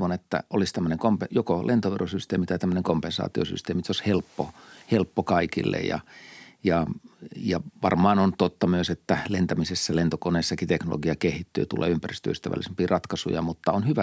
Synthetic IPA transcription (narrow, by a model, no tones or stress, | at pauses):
ʋonet̪ːæ̰ʔolist̪æmːøneŋkompejokolʔent̪oʋerosyst̪eːmit̪ɑt̪æmːøneŋkompensɑ̰ːt̪io̰sy̰st̪eːmit̪oshelpːohelpːokɑikḭlːḛjjɑ̰jɑjɑʋɑrmɑːnont̪ot̪ːɑmyøset̪ːælent̪æmisesːælent̪okoneːsːɑkit̪ekno̰lʔo̰ɡiɑkehit̪ːy̰ːt̪ulḛːympærist̪øyst̪æʋæ̰lisempiːrɑt̪kɑsṵjɑmut̪ːɑonhyʋæ